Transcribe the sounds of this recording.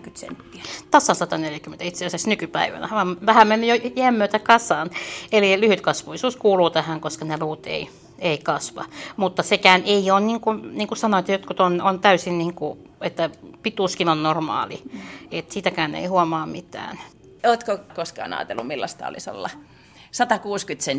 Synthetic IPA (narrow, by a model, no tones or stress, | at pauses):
kyt̪sḛnt̪ːiæt̪ɑsːɑnsɑt̪ɑneljækyment̪æit̪seɑsɑsnykypæ̰iʋæ̰næ̰ʋɑmʋæhæmmenːyjojæːmːøːt̪ækɑsɑːnelilyhyt̪kɑsʋuʋisuːskuːluːt̪æhæŋkoskɑneluːt̪ḛi | eikɑsʋɑ̰mut̪ːɑsekæːnʔeioːnniŋkunniːŋkusɑnoet̪ːæjot̪kut̪onont̪æysinniːŋkuet̪ːæpit̪uskimɑnnormɑ̰ːliet̪siːt̪ækæːnḛihuɑmɑːmmit̪æ̰ːn | oːt̪kokoskɑ̰ːnɑ̰ːt̪ḛlːumilːɑst̪ɑ̰o̰liso̰lːɑ | sɑt̪ɑkuːskyt̪sen